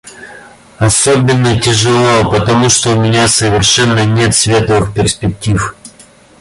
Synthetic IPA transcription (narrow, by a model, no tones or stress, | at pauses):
ɐsobʲɪnːətʲɪʐɨlˠopət̪ɐmuʂt̪oʊmʲɪnʲasəvʲɪrʂɛnːənʲe̞t̪svʲet̪əvɨxpʲɪrspʲɪk̚tʲif